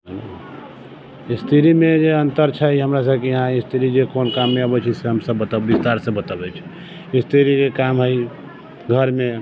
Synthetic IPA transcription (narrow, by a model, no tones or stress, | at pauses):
ɦəlo̰ | ist̪ʰiɾimed͡ʒeənt̪əɾt͡ʃʰəiɦəmɾasəbkejəɦãist̪ʰiɾid͡ʒekonkamːeabɛt͡ʃʰiseɦəmsəbːət̪abbist̪aɾsẽbət̪abɛt͡ʃʰi̥ | ist̪ʰiɾikekamɦəj | ɡʱəɾme